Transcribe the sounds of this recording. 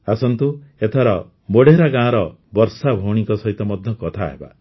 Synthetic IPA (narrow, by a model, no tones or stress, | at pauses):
asɔnt̪uet̪ʰaɾɔ | moɽeɾaɡãɔ̃ɾɔ | bɔɾsabʱowɽ̃ikɔsɔɦit̪ɔmɔd̪ʱjɔkɔt̪ʰaɦeba̰